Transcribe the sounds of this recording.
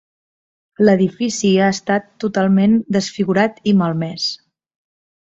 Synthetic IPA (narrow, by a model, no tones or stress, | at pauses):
ləðifisiaəst̪at̪ːut̪alˠmend̪əsfiɣuɾat̪iməlˠmɛs